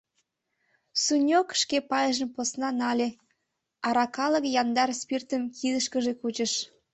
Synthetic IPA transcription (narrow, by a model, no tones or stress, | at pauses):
sunʲokʃkepɑjəʒə̆mposnɑnɑlʲe | ɑɾɑkɑləkjɑnd̪ɑrspirt̪əmkʰid̪əʃkəʒekut͡ɕə̆ʃ